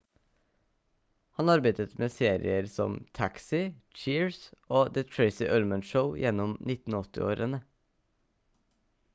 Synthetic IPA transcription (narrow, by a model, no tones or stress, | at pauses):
hɑnɑɾbæɪd̪ət̪meːseːɾɪ̰əɾsɔmt̪ʰæksɪt͡ʃiːɹsoːd̪ət̪ʰɹeɪsɪʔœlmənʃəʊjɛnɔmnɪt̪n̩ɔt̪ɪ̰o̰ːɾənə